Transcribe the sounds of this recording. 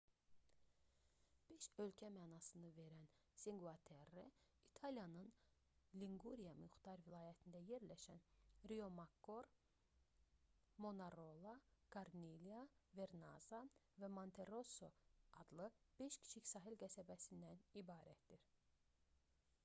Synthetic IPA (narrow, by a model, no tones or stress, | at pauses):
b̥e̞ʃø̞lcʰæmæːnɑsɯnɯve̞ɾæn | siŋɡɑt̪ʰeɾe | it̪ʰɑlijɑnɯn | liŋɡuɾijɑmyxt̪ɑɾvilˠɑːjæt̪ʰind̪æje̞ɾlæʃænɾio̞mɑkːo̞ɾ | mo̞nɑɾolˠɑkaɾniliɑve̞ɾnɑ̰zɑ | væmont̪ʰe̞ɾo̞so̞ɑd̪lˠɯb̥e̞ʃcʰi̥t͡ʃʰicsɑːɦilɡæsæbæsind̪ænibɑːɾæt̪d̪iɾ̥